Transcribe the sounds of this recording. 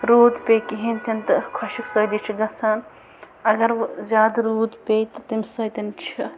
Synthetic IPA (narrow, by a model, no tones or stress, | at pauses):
ɾoːd̪pʲekiɦint̪ʰɐnt̪ɨkʰɔʃiksod̪it͡ʃʰiɡɐt͡sʰan | ɐɡɐɾzaːd̪ɾuːd̪pʲejt̪ɨt̪imʲsɐjt̪int͡ʃʰi